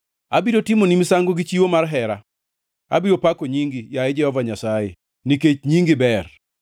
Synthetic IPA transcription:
abidotimonimsaŋɡoɡit͡ʃiwomarɦɛɾa̰ | a̰biɾopakoɲiŋɡijaɛd͡ʒɛhɔvaɲasajḛ | niket͡ʃɲiŋɡɪbɛr

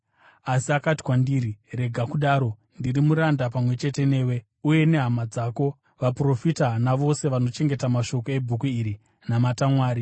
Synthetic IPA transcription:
asiakati̥kwandiːɾire̞ɡʱakuɗaːɾo̞ | ndirimuɾandap̬amwe̞t͡ʃe̞te̞ne̞ːwe̞ | uje̞ne̞ɦamad͡zaːko̞ | ʋapro̞fitanaʋo̞se̞ʋano̞t͡ʃe̞ŋɡe̞tamaʃo̞koe̞bʱukuiɾi | namatamwaːɾi

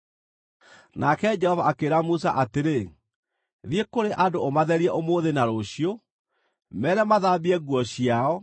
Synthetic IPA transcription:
nakɛd͡ʒɛhɔvaːkeːɾamusa̰ʔateɾe | ðiekoɾeʔadoomaðɛɾiɛʔomoːðenaɾoɕio | mɛɾɛmaðabiɛɣwɔɕiaɔ

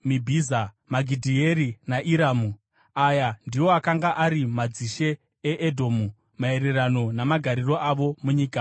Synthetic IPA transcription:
mibʱiza | maɡʱidʱieɾinaʔiɾaːmu | ajandiwo̞akaŋɡaʔaɾimad͡ziʃe̞ː | ʔːdʱo̞ːmu | mae̞ɾe̞rano̞namaɡʱaɾiro̞ʔaʋo̞muɲiːka

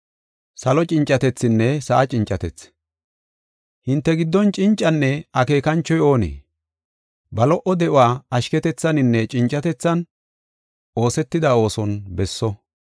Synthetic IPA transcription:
sɐlɔt͡ʃʼɪnt͡ʃʼːɐt̪ɛt͡sːɪnːɛsɐʔɐt͡ʃʼɪnt͡ʃʼːɐt̪ɛt͡s | hɪnt̪ːɛɡɪd̪ːɔnt͡ʃʼɪnt͡ʃʼːɐnːɛɐke̞ːkɐnt͡ʃːɔjo̞ːnḛː | bɐlɔʔɔd̪ɛʔʊaːɐʃkɛt̪ɛt͡sːɐnɪnːɛt͡ʃʼɪnt͡ʃʼɐt̪ɛt͡sːɐn | o̞ːsɛt̪ːɪd̪ɐo̞ːsɔnbɛsːɔ

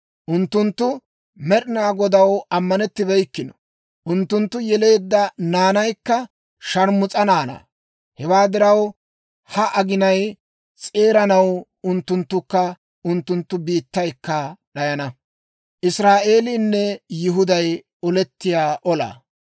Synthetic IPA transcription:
ʔʊnt̪ːʊnt̪ːʊ | mɛɗɪnaːɡɔd̪ɐwɐmːɐnɛt̪ːɪbɛjkːɪnɔ | ʔʊnt̪ːʊnt̪ːʊjɛle̞ːd̪ːɐnaːnɐjkːɐ | ʃɐɾmʊt͡sʼɐnaːna̰ː | hɛwaːd̪ɪɾɐw | hɐʔɐɡɪnɐj | t͡sʼe̞ːɾɐnɐw | ʊnt̪ːʊnt̪ːʊkːɐ | ʔʊnt̪ːʊnt̪ːʊbiːt̪ːɐjkːɐɗɐjɐnɐ | ʔɪsɾaːʔe̞ːlɪnːɛjɪɦʊd̪ɐj | ɔlɛt̪ːɪjaːʔɔla̰ː

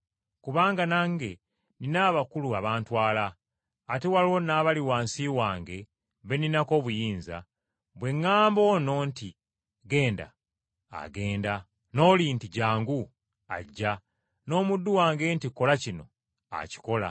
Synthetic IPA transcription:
kuβaːŋɡanaŋɡe̞ | ninaːβakuluaβaːntwaːlaː | te̞walonaːβaliwaːnsiwaːŋɡe̞ | βe̞ninako̞ːβujiːnza̰ | βwe̞ŋːaːmbo̞no̞ːnti | ɡe̞ːnda̰ː | ɡe̞ːnda | no̞ːlintiɟaːŋɡu | a̰ɟːa | no̞ːmudːuwaːŋɡe̞ntiko̞lacino̞ | a̰ci̥ko̞la

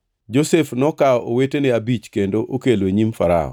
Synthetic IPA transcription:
d͡ʒosefnɔkaɔʔowetenɪabit͡ʃkendoʔokelweɲimfa̰ɾa̰ɔ̰

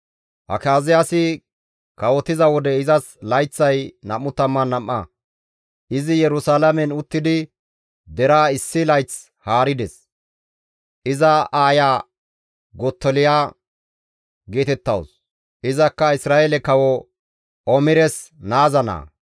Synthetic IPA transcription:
ʔɐ̰kaːzɪjasɪ | kɐwɔt̪ːɪzɐwɔd̪ɛɪzɐslɐjt͡sːɐjnɐmːʊt̪ɐmːɐnːɐmːɐ̰ | ʔɪzɪjɛɾʊsaːlɐmɛnʊt̪ːɪd̪ɪ | d̪ɛɾaːɪsːɪlɐjt͡s | haːɾɪd̪ɛs | ʔɪzɐaːjaː | ɡɔt̪ːɔlɪjaː | ɡe̞ːt̪ɛt̪ːɐ̰ws | ʔɪzɐkːɐɪsɾaːɛlɛkɐwɔ | ɔmɪɾɛsnaːzɐna̰ː

